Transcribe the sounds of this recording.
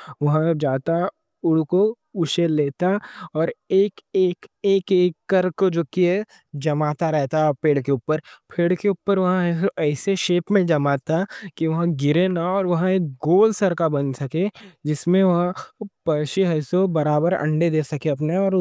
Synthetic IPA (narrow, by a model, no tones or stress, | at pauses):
ʋɐɦãd͡ʒaːt̪a | ʊɽko | ʊʃeleːt̪aɔːɾeːkeːkeːkeːkːɐɾkod͡ʒoːkiɦɛ | d͡ʒɐmaːt̪aɾɛɦt̪aɔpeːɽkeʊpːəɾpʰeːɽkeʊpːəɾʋɐɦãɛsoʔɛːseʃeːpmẽd͡ʒɐmaːt̪akiʋɐɦãɡɪɾenaɔːɾʋɐɦãeːk̚ɡoːlsɐɾkabɐnsɐked͡ʒɪsmẽʋɐɦãpɐːɾʃiɦɐːsobɐɾaːbəɾɐ̰̃ɳɖed̪eːsɐkeɐp̬neɔːɾ